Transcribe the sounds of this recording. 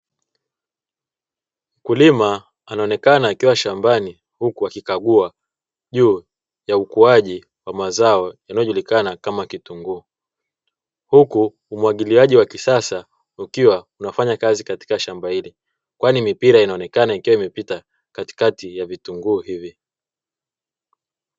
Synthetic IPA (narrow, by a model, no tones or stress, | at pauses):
m̩kulima | anaɔnɛkanaːkiwaʃambani | hukuakikaɠua | ʄuː | jaukuaʄi | wamazaɔjanajɔʄulikanakamakituŋɡuː | hukuː | mwaɠiliaʄiwakisasa | ukiwaunafaɲakazikati̥kaʃambahili | kwanimipiɾainaɔnɛkanaikiwaimɛpita | kati̥katijavituŋɡuːhivi